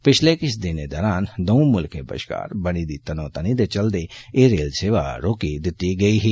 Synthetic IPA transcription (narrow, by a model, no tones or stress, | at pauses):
pɪt͡ʃʰlekɪsd̪ɪned̪ɔːɾaːnd̪ɐũmʊlkʰebɐ̰ʃka̰ːɾbɐɽ̃id̪it̪ɐnoːt̪ɐnid̪et͡ʃɐld̪eeɾeːlseːʋa̰ɾoːkid̪ɪt̪ːiɡɐiɦi